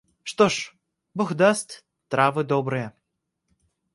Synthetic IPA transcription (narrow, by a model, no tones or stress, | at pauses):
ʂt̪ɔʂ | bɔɣd̪ast̪ʲ | t̪ɾavɨd̪ɔbɾɨjɐ